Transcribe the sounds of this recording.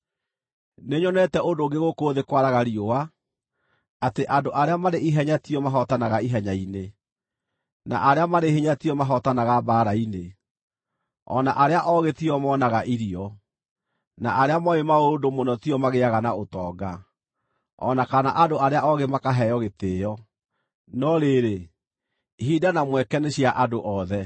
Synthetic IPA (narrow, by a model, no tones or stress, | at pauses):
neɲɔnɛtɛʔondoɡeɣokoːðekwaɾaɣaɾioa | ateʔadoʔaɾeamaɾeiɦɛɲatiɔmaɦɔtanaɣaiɦɛɲaine | na̰ʔaɾeamaɾehiɲatiɔmaɦɔtanaɣabaːɾaine | ɔ̰naʔaɾeaʔɔɣetiɔmɔnaɣaʔiɾiɔ | na̰ʔaɾeamɔemaodomonɔtiɔmaɣeaɣanaotɔːɡa | ɔ̰nakana̰ʔadoaɾeaʔɔɣemakaɦɛjɔɣeteːjɔ | nɔɾeɾe | hidanamwɛkɛneɕiaʔadoʔɔðɛ